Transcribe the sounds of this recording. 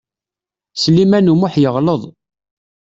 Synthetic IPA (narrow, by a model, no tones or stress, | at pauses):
slimænumʊħjəʁləðˤ